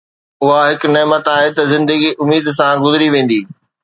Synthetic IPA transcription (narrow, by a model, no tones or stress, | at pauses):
ʊɦaɦɪknɛːmət̪aːɦet̪ɐzɪ̃nd̪əɡiʔʊmiːd̪s̬ãɡʊzɪɾiʋẽːn̆d̪iː